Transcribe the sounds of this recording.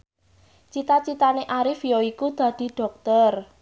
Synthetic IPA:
t͡ʃit̪at͡ʃit̪aneʔaɾɪfjoikud̪̥ä̤d̪̥i̤ɖ̥ɔ̤k̚t̪ər

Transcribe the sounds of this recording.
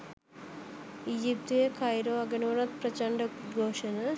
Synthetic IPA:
iːd͡ʒip̚t̪ujekʰɐjɾoːɐɡɐnoːɾat̪̚prɐt͡ɕɐɳɖɐɡʱoːʂɐnɐ

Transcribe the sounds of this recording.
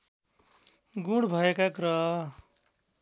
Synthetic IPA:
ɡũɽbʱʌekaɡɾʌɦ

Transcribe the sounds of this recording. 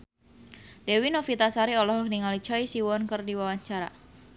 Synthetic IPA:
dewinofit̪asaɾiɔlɔɦkniŋalit͡ʃɔisiwɔnkərdiwawaɲt͡ʃaɾa̰

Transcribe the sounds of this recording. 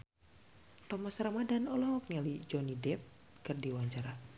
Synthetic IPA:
t̪ɔmasɾamadanɔlɔk̚nialid͡ʒɔnidɛp̚ | kɨrdiwaɲt͡ʃaɾa

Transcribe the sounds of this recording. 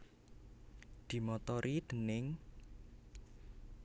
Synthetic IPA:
d̪̥i̤mɔt̪ɔɾʔid̪̥ə̤nɪŋ

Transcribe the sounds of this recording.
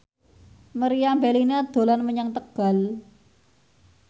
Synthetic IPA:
məɾijambelinad̪̥o̤lanməɲaŋt̪əɡ̥a̤l

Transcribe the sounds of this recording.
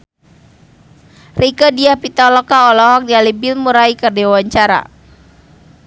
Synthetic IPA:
rikadiahpit̪alɔkaɔlɔɦɔk̚nialibilmuɾaikərdiwaɲt͡ʃaɾa̰

